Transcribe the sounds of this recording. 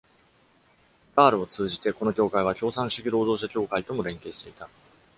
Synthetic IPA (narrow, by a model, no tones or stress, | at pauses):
ɡaːɾɯ̟o̞t͡sɨːʑit̪e̞ko̞no̞kʲo̞ːkaiβakʲo̞ːsãɰ̃ɕiɡʲiɾo̞ːd̪o̞ːɕ̬akʲo̞ːkait̪o̞mo̞ɾẽ̞ŋke̞ːɕi̥t̪e̞it̪a